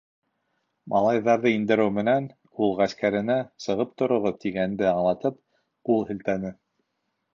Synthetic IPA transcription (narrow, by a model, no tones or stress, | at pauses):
mɑlˠɑjðɑɾðɤind̪ɘ̆ɾɘwmɘ̆næn | ulˠʁæskæɾɘ̆næsɤ̆ʁɤp̚t̪ŏɾŏʁɤp̚t̪ʰiɡænd̪ɘɑɴlˠɑt̪ɤp̚ | ulˠhɘ̆lt̪ænɘ